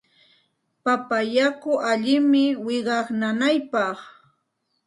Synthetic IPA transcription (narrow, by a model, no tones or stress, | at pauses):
papajakʊʔaʎɪmɪwɪɢɑχnanajpɑχ